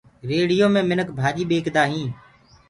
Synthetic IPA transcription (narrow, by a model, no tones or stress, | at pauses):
ɾeːɽɪjõːmẽːmɪnəkbʱaːʄiːɓeːkd̪aːɦĩː